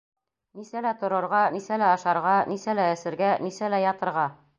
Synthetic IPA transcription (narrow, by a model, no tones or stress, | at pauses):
nisælæt̪ŏɾɤ̆ɾʁɑnisælæɑʃɑɾʁɑnisælæɘsɘ̆ɾɡænisælæjɑt̪ɤ̆ɾʁɑ